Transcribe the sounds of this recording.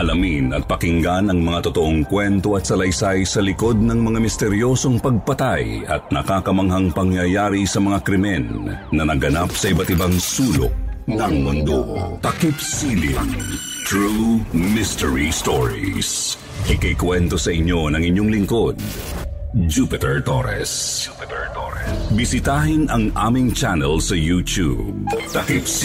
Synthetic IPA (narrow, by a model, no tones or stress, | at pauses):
ʔɐlɐminɐt̪̚pɐkɪŋɡanɐŋmɐŋat̪ot̪oʔoŋkwɛnt̪o̞ɐt̪̚sɐlɐjsajsɐlɪko̞d̪̚nɐŋmɐŋamɪst̪ɛɾjo̞so̞ŋpɐɡ̚pɐt̪ajɐ̰t̪̚nɐkaːkɐmɐŋɦɐŋpɐŋjɐjaːɾisɐmɐŋakɾɪmɛnːɐnɐɡɐnap̚sɐʔɪbat̪ɪbaŋsuːlo̰ʔ̚nɐŋmʊnd̪o̰k̪ɐkipsilḭ | t̪ɹumɪst̪ɛɹist̪oɹḭs | ʔɪkɐjkwɛnt̪o̞sɐʔɪɲːo̞nɐŋɪɲːo̞ŋlɪŋko̞d̪̚ | d͡ʒupɪt̪ɛɹt̪oɾɛ̰s | bɪsɪt̪aːɦɪnɐŋʔa̰ːmɪŋt͡ʃanɛlsɐjut̪ṵb̚t̪ɐkip